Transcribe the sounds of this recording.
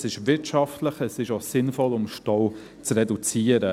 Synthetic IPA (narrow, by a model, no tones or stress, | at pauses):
sɪʃʋɪtʃɑftləχəsɪʃosɪnfɔlʊmʃtɔw | t͡srɛdut͡siəɾə